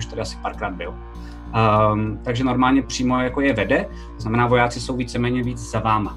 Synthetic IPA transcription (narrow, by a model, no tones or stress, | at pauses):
uʃt̪adɪasɪ̥paːɾkɾaːd̪̚bɪl | t̪aɡʒɛno̞ɾmaːlɲɛpr̝̥iːmo̞jakojɛvɛdɛ | t̪oznamɛnaːvo̞jaːt͡sɪso̞wviːt͡sɛmɛːɲɛviːt͡sz̥avaːma